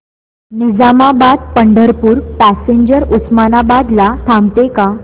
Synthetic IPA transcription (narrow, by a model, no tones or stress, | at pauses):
nid͡zamabad̪̚pəɳɖəɾpuːɾpæseɲd͡ʑəɾusmanabad̪lat̪ʰamt̪eka